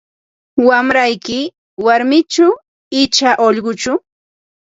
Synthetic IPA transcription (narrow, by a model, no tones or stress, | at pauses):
wamɾajkɪ | waɾmɪt͡ʃʊ | ɪt͡ʃaʔoʎɢʊt͡ʃʊ